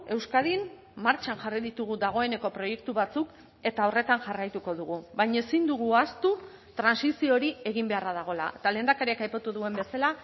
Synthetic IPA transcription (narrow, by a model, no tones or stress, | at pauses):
e̞wskað̞in | maɾt͡ʃanʝariðit̪uɣ̞ud̪aɣ̞o̞e̞ne̞ko̞pɾo̞je̞kt̪uβat͡suk | e̞t̪ao̞re̞t̪anʝarajt̪uko̞ðuɣ̞uβajɲaesind̪uɣ̞uast̪u | t̪ɾansisio̞ɾie̞ɣimbe̞araðaɣ̞o̞la̰ʔet̪ale̞ːnd̪akaɾiakajpat̪uðue̞mbe̞sala